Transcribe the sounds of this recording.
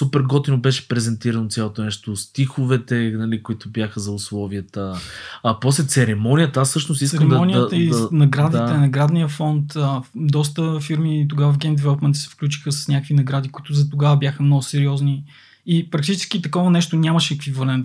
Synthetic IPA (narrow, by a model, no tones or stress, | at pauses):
supɛɾɡɔt̪inobɛʃɛ̥pɾɛzɛnt̪iɾɐnot̪sʲalˠot̪onɛʃt̪ost̪ixovɛt̪ɛnɐlikʊit̪ʊbjaxəzɐʊslˠɔviət̪əː | pɔslɛt̪sɛɾɛmɔnijət̪ɐasːɤʃtnoʊst̪isɛkɾɛmd̪ɔnʲijəəinɐɡɾad̪it̪ɛnɐɡɾad̪nijəfɔnt̪əd̪ɔst̪əfiɾmit̪oɡavəfɡʲɛnd̪ɛvɛlˠopmɛnt̪sɛ̥fklʲut͡ʃi̥xəsɐ̥snʲakəkvinɐɡɾad̪ikʊit̪ʊzɐt̪oɡavəbjaxəmnɔɡʊsɛɾiɔzni | ipɾɐk̚t̪it͡ʃɛ̥skit̪ɐkɔvɐnɛʃt̪onʲamɐʃɛːkvivɐlɛnt̪